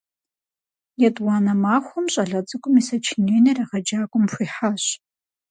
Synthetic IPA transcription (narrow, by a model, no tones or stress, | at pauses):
jɛtʼwɑːnɐmaːxʷʊmɕʼɐɮɐt͡sʼɨkʷʼʊmisɐt͡ʃʰɪneːnɐrɐʁɐd͡ʒaːkʷʼʊmxʷiːħaɕ